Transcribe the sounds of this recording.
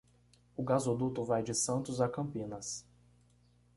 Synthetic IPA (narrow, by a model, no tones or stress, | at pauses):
ʊɡazod̪ut̪ʊvajd͡ʒɪsɐ̃nt̪ʊzakɐ̃mpĩnɐs